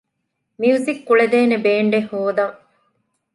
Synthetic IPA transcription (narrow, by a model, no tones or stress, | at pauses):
miusikːuɭed̪eːnebeːɳɖehoːd̪ɐŋ